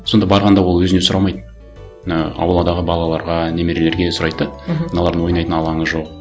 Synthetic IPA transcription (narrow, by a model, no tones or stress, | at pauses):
so̞nd̪ɑbɑɾʁɑnd̪ɑwolˠwɵzɪnesʊɾɑlˠmɑjd̪ə | nɑɑ̰wlˠɑd̪ɑʁəbɑlˠɑlˠɑɾʁɑne̞me̞ɾe̞le̞ɾɡʲeesʊɾɑjd̪əd̪ɑnɑlˠɑɾd̪ənwo̞jnɑjt̪ənɑlˠɑɴəzʒo̞q